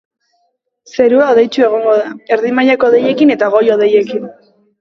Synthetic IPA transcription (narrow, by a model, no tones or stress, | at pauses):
se̞ɾuaoðe̞jt͡ʃue̞ɣ̞o̞ŋɡo̞ð̞ae̞ɾðimajako̞ðe̞je̞kine̞t̪aɣ̞o̞jo̞ðe̞je̞kin